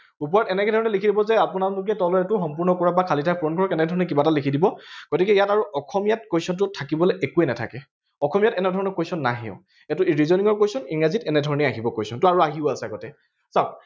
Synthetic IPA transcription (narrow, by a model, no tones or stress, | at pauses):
upɔɹɔtɛnɛkɛdʱɔɹɔnɛlikʰidibɔzɛapʊnalʊk̬ɛtɔlɔɛtʊxɔmpuɹnɔkɔɹabakʰalitʰajpʰɹɔnɡʱɔɹɔkɛnɛdʱɔɹɔnɛkibatalikʰidibɔɡ̥otikɛjataɹuʔɔkʰɔmijat̚kojsɔnt̬ʊtʰakibɔlɛʔekuɛnatʰa̰kɛ | ɔkɔmijatɛnɛdʱɔɹɔnɔkojsɔnːa̰ɦḭʊ̰̃ | ɛtʊɹizɔniŋɔɹkojsɔniŋazitɛnɛdʱɔɹɔnɛaɦibɔkojsɔntʊaɹuaɦiʊasɛaɡɔtɛ | saʊ